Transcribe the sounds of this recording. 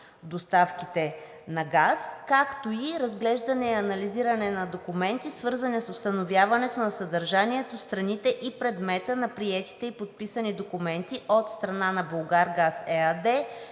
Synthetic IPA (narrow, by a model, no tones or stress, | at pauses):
d̪ost̪afkit̪ɛ | nɐɡaskakt̪oiɾɐzɡlɛʒd̪ɐnɛiɐnɐliziɾɐnɛnɐd̪okumɛnt̪isvɤɾzənisʊst̪ɐnovjavɐnɛt̪onɐsɐd̪ɐɾʒaniɛt̪ost̪ɾɐnit̪ɛʔipɾɛd̪mɛt̪ənɐpɾiɛt̪i̥t̪ɛipot̪̚pisənid̪okumɛnt̪iʔot̪st̪ɾɐnanɐbolˠɡaɾɡasɛəd̪ɛ